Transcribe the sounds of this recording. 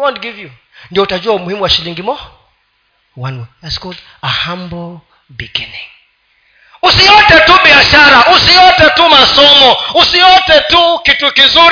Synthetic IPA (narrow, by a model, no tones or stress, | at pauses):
wɔntɡivju | ndiɔutad͡ʒuaumuhimuwaʃiliŋɡimɔ | wanwɛaskɔd | ahambɔ | biɡiniŋ | usijɔtɛtuɓiaʃaɾaʔusijɔtɛtumasɔmɔusijɔtɛtukitukizuɾ